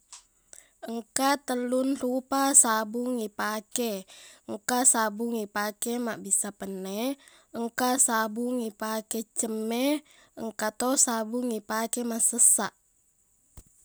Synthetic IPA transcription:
əŋkat̪əlunrupasabuŋːipakɛəŋkasabuŋipakɛmaʔbisapənːɛ | əŋkasabuŋipakɛt͡ʃəmːɛ | əŋkat̪osabuŋipakɛmasəsa̰ʔ

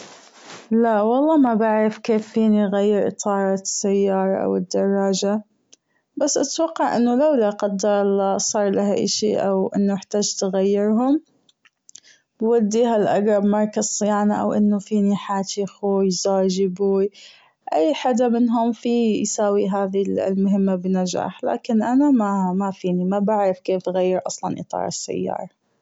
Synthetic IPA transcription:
lawɑlˤːɑːmabaʕɾɪfkeːfːiːniɣajːɪɾʔɨt̪ˤɑːɾˤɑsːajːɑːɾˤɑ̰ʔa̰wɪd̪ːɑrˤːɑːd͡ʒa | basːʔat̪wɑqːɑʕʔɪnːʊlawlaqɑd̪ːɑɾˤlasˤɑːɾˤlaɦaʔɪ̰ʃḭʔawʔɪ̰nːʊjɪħt̪aːd͡ʒt̪ɣajːɪɾɦʊm | bwad̪ːiːɦalʔaɡɾˤɑbmɑɾˤkazsˤɪjaːnaʔa̰wʔɪnːufiːniħaːt̪ɪxujzaːd͡ʒɪbu | ʔajːħad̪amɪnɦʊmfijsaːwiɦaːðil̰lmʊɦɪmːabɪnad͡ʒa̰ːħla̰ːkɪnʔanamamafiːnimabaʕɾɪfkeːfɣajːɪɾʔɑsˤlɑnʔɨ̰t̪ˤɑ̰ːɾˤɪsːa̰jːɑ̰ːɾˤɑ

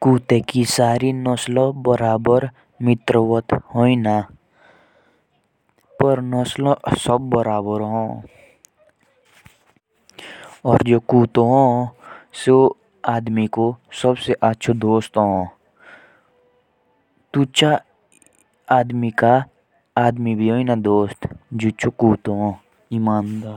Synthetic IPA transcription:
kuːt̪ekisaːɾinəslobəɾaːbəɾ | mɪt̪ɾəwət̪hoĩna | pəɾnəslosəbːəɾaːbəɾɦõː | ɔːɾd͡ʒoːkuːt̪õɦõːso | aːd̪mikosəbseʔətːʃʰod̪oːst̪ɦõː | t̪ut͡ʃa | aːd̪mikaː | d̪mibʱiɦoːinad̪oːst̪d͡ʒot͡ʃokuːt̪oɦõ | imaːnd̪aː

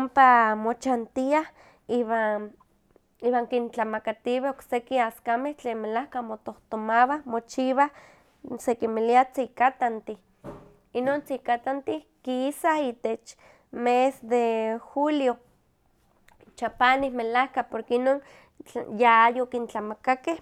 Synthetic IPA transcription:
ompamot͡ʃant̪iah | iβa | iwaːŋkint͡ɬamakat̪iβeoksekiaskameht͡ɬeːnmelahkamot̪oht̪omaβahmot͡ʃiβa | sekimiliat͡sikat̪ant̪i | inoːnt͡sikat̪ant̪ikiːsait̪et͡ʃ | mesd̪exuljo | t͡ʃapanihmelahkapoɾkeinoːn | t͡ɬjaajokint͡ɬamakakeh

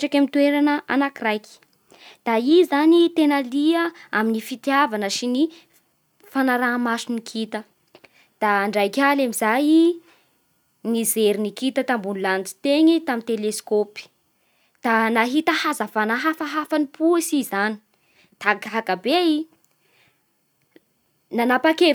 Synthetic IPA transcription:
ʈ͡ʂikamit̪ueɾanəʔa̰nakirajkʲi̥ | d̪̥aizanit̪enaliəaminifit̪javanəʃini | fanaɾamasunikʰit̪ə | d̪̥aːɳɖ͡ʐajkʲalamizaji | nizeɾinikit̪ət̪ambunilant͡si̥t̪eŋit̪amint̪eleskopi̥ | d̪̥anaɦit̪əhazafanaɦafaɦafanipuisizani̥ | t̪akɦakabei | nanapake

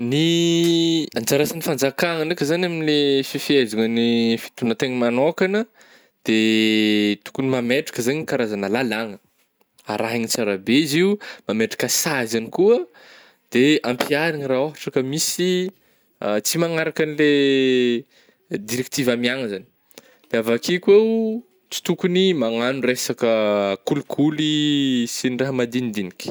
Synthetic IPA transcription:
ni | and͡ʒaɾasanifand͡zakaŋənakʲəzanaminilefifiezaŋənifi̥t̪unət̪eŋimanokanə | d̪̥e | t̪u̥kunimameʈ͡ʂḁkəzaɲikaɾazanəlalaŋə | aɾaɦinit͡saɾabeiziumameʈ͡ʂḁkəsazanikuə | d̪̥eampiaɾiŋiraoɦaʈ͡ʂakəmisi | t͡simaŋaɾakanile | d̪iɾek̚t̪ivamiaŋəzani̥ | d̪̥eavakikwew | t͡si̥t̪ukunimaŋanuresakəkulukʰulisiniraɦəmad̪inid̪inikʲi̥

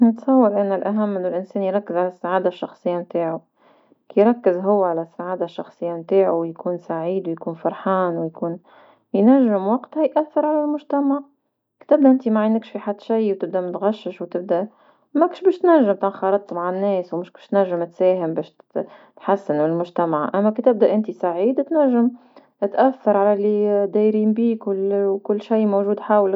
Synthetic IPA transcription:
nɪt̪sˤɑwːɑɾʔanːʊlʔaɦamːʔɪnːʊlʔɪnsɛːnjɾˤɑkːɪzʕalasːaʕaːd̪aʃːɑxsˤɨjːamt̪aːʕu | kijɾˤɑkːɪzɦʊwːʕalasːaʕaːd̪aʃːɑxsˤɨjːamt̪aːʕuwjkuːnsaʕiːd̪wɪjkuːnfɑɾˤħaːnwjkuːn | jnaʒːɪmwɑqt̪hajʔaθːɑɾˤʕalalmʊʒt̪amaʕ | kt̪ɪb̚d̪aʔɪnt̪imaʕɪnːɪkʃfiħad̪ːʃijwt̪ɪb̚d̪amʊt̪ɣɑʃːɪʃwt̪ɪb̚d̪a | mækːʃbɛːʃt̪næʒːɪmt̪ɪnxɑɾˤɑd̪̚t̪ːmaʕanːɛːswmʊʃkɛʃt̪næʒːɪmt̪sɛːɦɪmbɛːʃ | t̪ħasːɪnfɪlmʊʒt̪æmaʕʔæmːækit̪ɪb̚d̪æʔɪnt̪isaʕiːd̪t̪næʒːəm | t̪ʔæθːɑɾˤʕalælid̪æjɾiːmbiːkʊlkʊlːʃajmowʒuːd̪ħaːwl

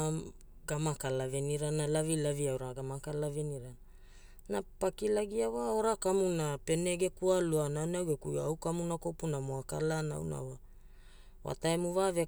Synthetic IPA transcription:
ɡamakalaveniɾanalavilaviawɾaɡamakalaveniɾa | napakilaɡiawaoɾakamunape̞neɡekualuanawnawɡekuawkamunakopunamoakalana̰wna̰wa | wa̰taemuvave

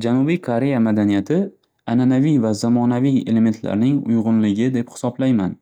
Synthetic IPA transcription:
d͡ʒanubijkʰoɾe̞jamad̪anijat̪ʰɪ | ananavijvazamɒnavije̞̰le̞me̞nt̪la̰ɾnɪŋʊ̰jʁʊnlɪɡʲɪd̪e̞phɪ̥sɒblajman

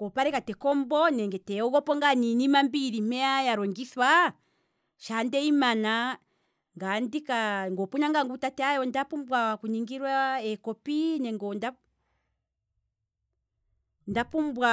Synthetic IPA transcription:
ŋɡɔpaɾɛkatɛkɔmbɔnɛŋɡɛtɛɔɣɔpɔŋɡaninimambiɾim̥ɛajaɾɔŋɡiswa | ʃandɛimana | ŋɡandikaŋɡɔpuɲaŋɡaŋɡutatɛajɔndapumbwakuɲiŋɡiɾwaɛkɔpinɛŋɡɔnda | ndapumbwa

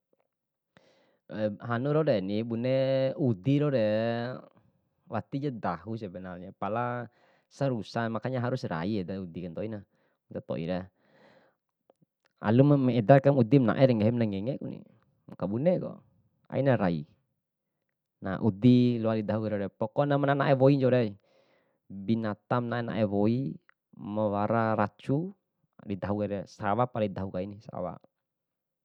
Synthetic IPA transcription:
wɛɦanuɾɔɾɛnibunɛud̪iɾɔɾɛ | wat̪id͡ʒad̪aɦus̬ɛbɛnalɲapala | saɾusamakaɲaɦaɾusra̰iɛdaud̪ikant̪ɔina | mt̪at̪ɔ̰ʔḭɾa | a̰lummɛdakamud̪imna̰ʔɛɾɛŋɛɦɛmnaŋɛŋɛkunḭ | mkabunɛɡɔ̰ | a̰inaɾaḭ | na̰ʔud̪ilɔadid̪aɦukaɾɛɾɛpɔkɔnamananaʔɛβɔiɲd͡ʒɔɾɛ | binat̪amnaɛna̰ʔɛwɔi | mawaɾaɾat͡ʃu | did̪aɦuɡaɾɛsawapalaid̪aɦukainisa̰wa̰

